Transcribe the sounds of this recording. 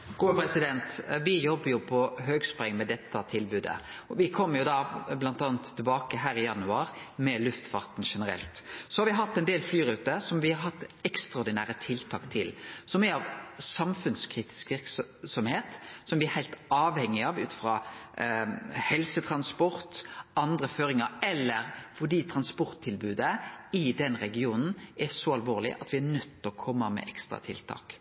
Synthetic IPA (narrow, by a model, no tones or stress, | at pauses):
ɡ̥uːpʰɾɛsɪd̪ɛnt̪ʋɪjɔbːəɾjʊpʰɔɦøːɡspɾɛŋmɛd̪ɛt̪ːɑt̪ʰɪlbʉːd̪ə̰ɔʋɪkʰɔmːəɾjʊd̪ɑblɑnt̪ɑːnt̪ʰːɪlbɑːkəɦæːɾɪjɑnʉɑːɾmɛlʉft̪fɑʁt̪n̩ʂɛnəɾɛ̰lt̪sɔhɑɾʋɪɦɑt̪ːɛɪnd̪eːlflyːɾʉːt̪əsɔmʋɪhɑɾɦɑt̪ːɛkst̪ɾɑɔɾd̪ɪnæːɾət̪ʰɪlt̪ʰɑ̰ːkt̪ʰɪlsɔmɛɾɑʋsɑmfʉnskʰɾiːt̪ɪ̥skʋɪɾksɔmheːt̪sɔmʋɪɛɾhæɪlt̪ɑːʋhɛŋːɪɑʋʉ̰ːt̪fɾɑː | hɛlsət̪ʰɾɑnspɔɾt̪ɑnd̪ɾəføːɾɪŋəɛlːəɾfɔɖ̪iːt̪ʰɾɑnspɔɾt̪ʰːɪlbʉːd̪əɪd̪ɛnɾɛɡɪuːnn̩ʔɛsɔɑlʋoːʁlɪ̰ʔɑ̰t̪ʋɪænœt̪ːɔkʰɔmːəmɛ̰ʔɛkst̪ɾɑ̰t̪ʰɪ̰lt̪ʰɑ̰ːk